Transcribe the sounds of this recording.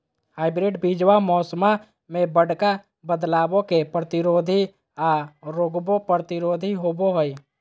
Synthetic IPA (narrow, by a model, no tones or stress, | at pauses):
haːɪbɾɪɖbid͡ʒwamɔːsma | mẽbəɽka | bəd̪laːbõkepɾət̪iɾoːd̪ʱi | aɾoːɡbopɾət̪iɾoːd̪ʱiɦoboɦoi